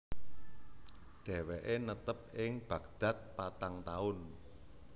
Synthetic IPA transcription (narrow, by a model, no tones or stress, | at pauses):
ɖ̥ɛ̤wɛʔenət̪əp̚ɪŋb̥ä̤kd̪̥ä̤t̪̚pat̪aŋt̪aʊn